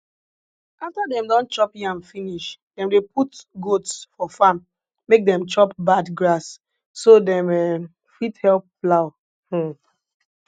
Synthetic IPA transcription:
aftadɛ̃mdɔ̃nt͡ʃɔpjãmfiniʃdɛ̃mdeputɡotsfɔfãmː | ek̚dɛ̃mt͡ʃɔpbadɡɹasː | odɛ̃mɛ | fithɛlp̚flaʊ

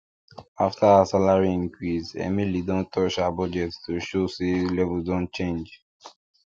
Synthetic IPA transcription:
aftʰaasalaɹiĩŋkɹisɛ̰milidɔ̃ntʰɔʃaabɔd͡ʒɛttoʃoselɛvuldɔ̃nt͡ʃẽnd͡ʒ

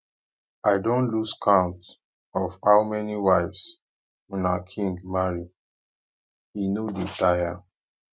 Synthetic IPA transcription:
aɪdõnluskʰãʊ̃nt | ɔfhaʊmɛniwaɪfs | wɛ̃nakʰĩŋɡmaɹi | inoditaja

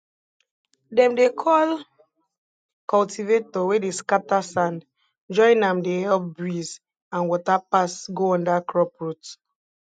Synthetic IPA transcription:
dɛ̃mdekʰɔl | kɔltʰivetɔwedeskatasãnd | d͡ʒɔ̃ɪ̃nãmdehɛlp̚bɹiz | ãnwɔtapasɡoɔ̃ndakɹɔpɹut

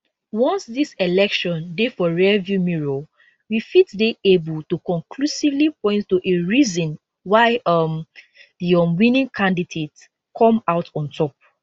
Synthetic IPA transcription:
wɔ̃nsdiselɛkʃɔ̃ndefɔɹɛvjumiɹo | wifitdeebɔtukɔ̃ŋkʰlusivlipɔ̃ɪ̃nttuʔeɹizɔ̃n | waɪʌm | diɔ̃nwĩnĩŋkʰãndidet | kʰɔ̃maʊtʰɔ̃ntʰɔp̚

